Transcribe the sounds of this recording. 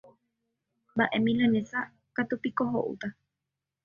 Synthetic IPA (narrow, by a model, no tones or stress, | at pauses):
mbaʔemĩlanẽsa | kat̪upikoɦoʔṵt̪a